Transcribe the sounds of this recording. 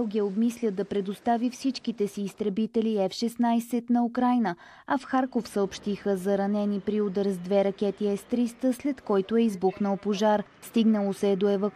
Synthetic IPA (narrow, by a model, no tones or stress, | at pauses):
lˠɡʲiəobmislʲəd̪ɐpɾɛd̪ost̪avifsit͡ʃkit̪ɛsiːst̪ɾɛbit̪ɛliɛfʃɛsnajsɛt̪nɐukɾajnə | ɐfxaɾkofsəopʃt̪ixəzɐɾɐnɛnipɾiod̪əɾzd̪vɛɾɐkʲɛt̪iɛst̪ɾist̪əslɛt̪kɔjt̪ʊɛizbuxnəlˠpoʒaɾ | st̪iɡnəlˠosɛd̪oɛvə